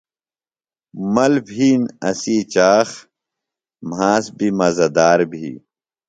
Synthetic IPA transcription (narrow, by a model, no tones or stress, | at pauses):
mɐlbʱiːnɐsiːt͡ɕaːx | mhaːsbimɐzɐd̪aːɾbʱḭː